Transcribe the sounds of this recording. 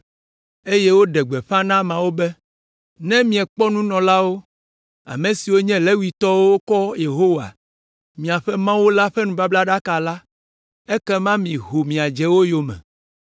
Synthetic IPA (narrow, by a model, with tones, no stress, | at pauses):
e˦jɛ˦wo˦ɖɛ˨ɡ͡bɛ˨ɸã˦nã˦mã˨wo˦bɛ˦ | nɛ̃˦mĩ˨ɛ˨k͡pɔ˦nũ˦nɔ̃˨la˦wo˦ | a̰˨mẽ˨si˨wo˦ɲɛ̃˦lɛ˦wi˨t̪ɔ˦wo˦wo˦kɔ˦je˨ɦo˦wa̰˨ | mĩ˨a˨ɸɛ˦mã˦wu˦la˦ɸɛ˦nũ˨ba˦bla˦ɖa˦ka˨la˦ | ɛ˦kɛ˦mã˦mĩ˨ɦo˨mĩ˨a˨d͡ʒɛ˨wo˦jo˨mɛ̰̃˨